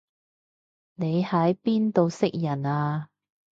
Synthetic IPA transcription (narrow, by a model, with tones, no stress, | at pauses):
ne˨˧jhɐ˨˥jpiː˥nt̪o˨˧wsɪ˥k̚jɐ˨˩naː˧